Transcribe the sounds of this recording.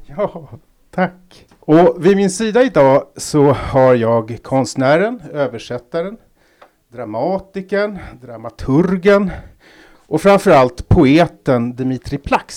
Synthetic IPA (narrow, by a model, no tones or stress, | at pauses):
jɑː | t̪ʰakː | ɔvɪmɪnsiːd̪aɪd̪ɑːsɔhaɾjɑːɡkʰɔnst̪næːɾənøːvəʂɛt̪ːaɾən | d̪ɾamɑːt̪ɪkənd̪ɾamat̪ʰɵɾɡən | ʔɔfɾamfœɾalt̪pʰʊeːt̪ənd̪ɛmɪt̪ʰɾɪpʰlaks